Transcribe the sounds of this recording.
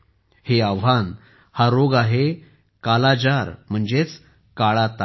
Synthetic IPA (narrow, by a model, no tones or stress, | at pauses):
heaʋɦan | haɾoɡaɦe | kalad͡ʑaɾm̤əɳd͡zet͡s | kaɭat̪a